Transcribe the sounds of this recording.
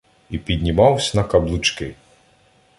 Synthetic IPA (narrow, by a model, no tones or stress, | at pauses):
ipʲid̪ʲnʲimɑwsʲɐnɐkɐblˠʊt͡ʃkɪ